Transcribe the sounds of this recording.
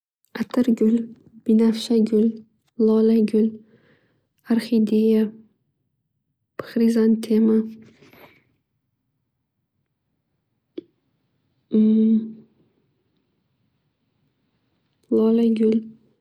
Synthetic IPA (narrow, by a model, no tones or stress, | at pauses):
at̪ʰɪɾɡʲʊl | b̥ɪnafʃaɡʲʊl | lɒlaɡʲʊl | aɾχid̪eja | pɨ̥χɾizant̪ʰema | lɒlaɡʲʊl